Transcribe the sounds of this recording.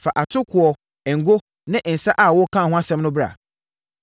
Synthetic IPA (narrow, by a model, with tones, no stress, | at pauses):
fa˨ʔa˨tʰʊ˦kʰʊ˨ɔ˨ | ɛ˨ŋ̩˨ɡo˦ | nɪ̃˦ʔn̩˨sa˦ʔa˨wɔ˦kʰã˦˨ɦʊ̃˦a˦sɛ̃˦mnʊ̃˦bɾa̰˨